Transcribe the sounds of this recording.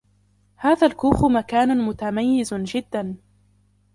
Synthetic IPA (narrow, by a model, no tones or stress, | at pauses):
haːðalkuːxʊmakaːnʊmʊt̪amajːɪzd͡ʒɪd̪ːan